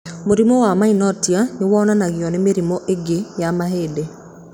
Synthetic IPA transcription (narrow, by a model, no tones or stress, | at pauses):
moɾimɔwamainɔtjanewɔnanaɣijɔnemeɾimɔʔeɡejamaɦeːde